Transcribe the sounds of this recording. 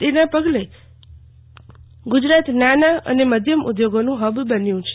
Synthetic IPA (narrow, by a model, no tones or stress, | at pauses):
t̪enapəɡle | ɡud͡ʒɾat̪nanaə̰neməd̪ʱjəmṵd̪joɡonũɦəbbənjũt͡ʃʰe̥